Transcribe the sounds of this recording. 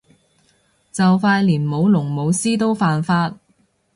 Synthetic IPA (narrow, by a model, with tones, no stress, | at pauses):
t͡sɐ˨wfaː˧jliː˨˩nmo˨˧wlʊ˨˩ŋmo˨˧wsiː˥t̪̬o˥wfaː˨nfaː˧t̚